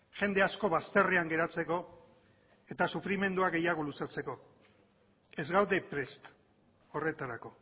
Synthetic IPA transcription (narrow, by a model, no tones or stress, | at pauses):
ʝe̞nd̪e̞asko̞βast̪e̞riaŋɡe̞ɾat͡se̞ko̞ | e̞t̪asufɾime̞nd̪uaɡe̞jaɣ̞olusat͡se̞ko̞ | e̞zɣawd̪e̞pɾe̞st̪ | o̞re̞t̪aɾako̞